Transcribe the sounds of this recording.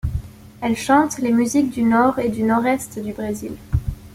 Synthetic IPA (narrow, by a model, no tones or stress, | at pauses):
ɛlʃɑ̃t̪lemyzik̚d̪ynɔʁed̪ynɔʁɛst̪d̪ybʁezil